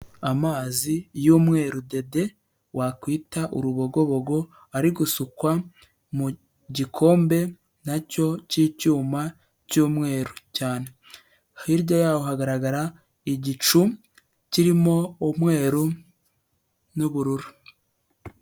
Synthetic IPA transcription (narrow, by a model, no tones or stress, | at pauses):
amaːzijuːmŋe̞ːɾude̞de̞ | wakwiːtaʔuɾuβo̞ɡo̞βo̞ɡo̞ | aɾiɡusukwa | mu | ɟikʰo̞ːmbe̞ | naco̞ciːcuːma | cuːmŋe̞ːɾucaːne̞ | hiɾɟojaːwohaɡaɾaɡaɾa | iɟit͡ʃu | ciɾimo̞ːmŋe̞ːɾu | nuβuɾuɾu